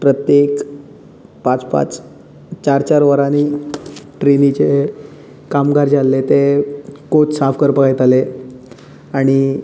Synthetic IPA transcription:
pɾət̪jek | pãt͡spa̰t͡s | t͡ɕaɾt͡ɕaɾʋəɾani | ʈɾenit͡ɕe | kamɡaɾd͡ʑalːet̪ekot͡ssafkəɾpəkajt̪ale | aɽ̃i

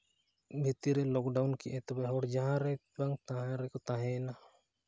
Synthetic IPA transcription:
bʱit̪iɾɛlɔk̚ɖawnkiʔɛt̪ɔbɛɦɔɽd͡ʒaɦãɾɛ | baŋt̪ãɦãɾɛkɔt̪ãɦɛ̃na

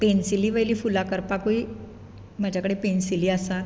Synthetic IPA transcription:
pensiliːʋəjliːfulakəɾpakoi | mad͡ʑʱakəɽepensiliːasa

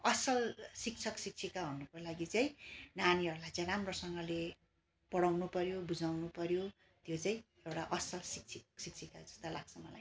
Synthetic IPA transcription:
ʌsʌlsik̚t͡sʰʌksik̚t͡sʰikaɦunukolaɡit͡sajĩnaniɦʌɾulajt͡sajɾamrosʌŋɡʌle | pʌɽawnupʌɾjobud͡zawnupʌɾjo | t̪jot͡saĩ | ewʈaʔʌsʌlsik̚t͡sʰiksik̚t͡sʰikad͡zʌ̥st̪alaɡ̚sʰʌmʌla̰j

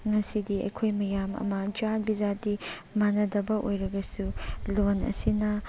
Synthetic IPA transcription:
ŋɐsidiɐ̰jkʰojmɐjamɐ̰mɐd͡ʒaɾbizadi | manɐdɐbɐʔojɾɐɡɐsulonɐ̰sinɐ

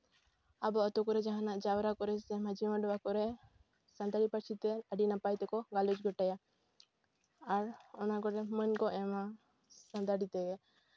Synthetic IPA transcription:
abɔɔt̪ɔkɔɾɛd͡ʒaɦãnaʔd͡ʒawɾakɔɾɛsɛmad͡ʒiməɖɔbakɔɾɛ | sand̪aɽipəɾt͡ʃʰit̪ɛəɖinapajt̪ɛkɔɡalud͡ʒɡɔʈaja | aɾɔnakɔɾɛmənkɔʔɛma | sãnd̪aɖit̪ɛɡɛ

